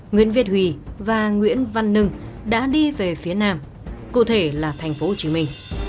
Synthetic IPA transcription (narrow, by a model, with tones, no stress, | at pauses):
ŋwḭ˧˥ənvi˧˥ət̚hwḭ˧˩vaː˨˩ŋwḭ˧˥ənva˧nːɨ˧ŋɗa̰ː˧˥ɗi˧ve˨˩fi˨˦ənaː˧m | kṵ˧˨t̪ʰe˧˩laː˨˩t̪ʰɛ˨˩jŋ̟fo˨˦ho˨˩t͡ɕi˨˦mï˧ŋ̟